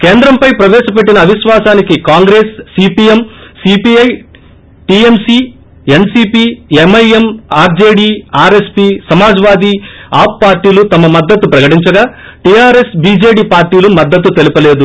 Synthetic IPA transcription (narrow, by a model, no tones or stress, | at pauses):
keːnd̪ɾɐmpɐjpɾɐʋɛːʃɐp̬e̞ʈːinɐːʋiʃʋaːsaːnikikaːŋɡɾe̞ːsːiːpiːemsiːpiːɐj | ʈiemsiː | e̞nsiːpiːemɐjemaːɾd͡ʒe̞ːɽiːaːɾe̞spiːsɐmaːd͡ʒɐʋaːd̪iaːp̚ːaːɾʈːiːlut̪ɐmɐmɐd̪ːɐt̪ːupɾɐkɐʈiɲt͡ʃɐɡaː | ʈiːjaːɾe̞sbiːd͡ʒeːɽiːpaːɾʈiːlumɐd̪ːɐt̪ːut̪elipɐleːd̪u